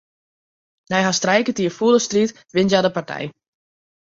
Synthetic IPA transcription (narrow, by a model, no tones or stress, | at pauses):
nɛjɦastrɛjkətiəfuəlˠəstrit | ʋɪntjadəpartʰɛ̰j